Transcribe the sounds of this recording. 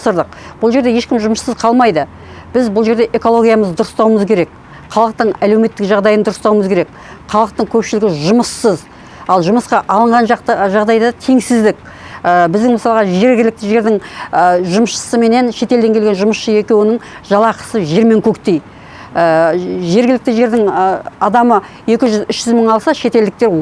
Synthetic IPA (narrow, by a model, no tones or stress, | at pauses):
səɾd̪əq̚b̥ʊlˠʒe̞ɾd̪e̞je̞ʃkʲɪmʒʊmʃsəzqʰɑlˠmɑjd̪ə | b̥ɪzbʊlˠʒe̞ɾd̪e̞ʔe̞ko̞lˠo̞ɡʲijaməzd̪ʊɾəst̪ɑwəməzkʲʰe̞ɾe̞k | qʰɑlˠəq̚t̪əɴæle̞wme̞t̪ːɪkʒɑʁd̪ɑjənd̪ʊɾəst̪ɑwəməzkʲeɾe̞k | qʰɑlˠəq̚t̪əɴkʲʰɵpʃɪlɪɡʲɪʒʊməsːəz | ɑlˠʒʊməsqɑʔɑlˠəɴʁɑnʒqt̪ʒɑʁd̪ɑjd̪ɑt̪ʰeŋsɪzd̪ɪk | əbɪzd̪ɪŋməsɑlˠəʁɑʒe̞ɾɡʲɪlɪk̚t̪ɪʒe̞ɾd̪ɪŋəʒʊməsʃə̥səme̞ne̞nʃe̞t̪e̞ld̪e̞ŋkʲʰelɡʲe̞nʒʊməsʃəe̞kʲe̞wɪnɪŋʒ̥ɑlˠɑqə̥səʒe̞ɾme̞ŋkʲʰɵkt̪e̞j | əʒe̞ɾɡʲɪlɪk̚t̪ɪʒe̞ɾd̪ɪŋɑd̪ɑmə | je̞kʲɪʒʏzʏʃʒ̥ʏzməɴɑlˠsɑʃe̞t̪e̞ld̪ɪk̚t̪e̞ɾ